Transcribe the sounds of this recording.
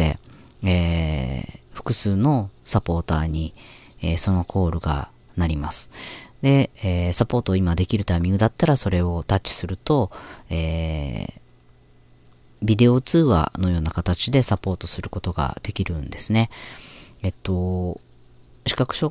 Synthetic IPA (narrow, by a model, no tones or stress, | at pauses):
ḛ | e | ɸɯ̟̥kɯ̟sɨːno̞sapo̞ːt̪aːɲ̟i | eso̞no̞kʰo̞ːɾɯ̟ɡa̰ | naɾʲimasɨ̥d̪e̞esapo̞ːt̪o̞ːimad̪e̞kʲiɾɯ̟t̪amʲĩŋɡɯ̟d̪at̪ːaɾaso̞ɾe̞o̞t̪at͡ɕːi̥sɨɾɯ̟t̪o̞eː | bʲid̪e̞o̞t͡sɨːβa̰no̞jo̞ːnakat̪at͡ɕid̪e̞sapo̞ːt̪o̞sɨɾɯ̟ko̞t̪o̞ɡa̰d̪̥e̞kʲiɾɯ̟̃nd̪e̞sɨne̞ | et̪ːo̞ | ɕi̥kakɯ̟ɕo